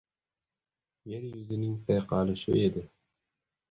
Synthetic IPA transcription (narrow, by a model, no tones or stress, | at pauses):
jeɾjuzɪnɪŋsajqʰɑlɪʃʊ̰ed̪ɪ